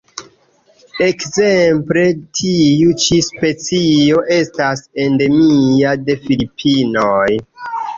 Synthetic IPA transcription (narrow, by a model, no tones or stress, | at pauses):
e̞kze̞mple̞tʰiut͡ʃispe̞t͡sio̞ʔe̞stase̞nde̞miade̞filipʰːinoj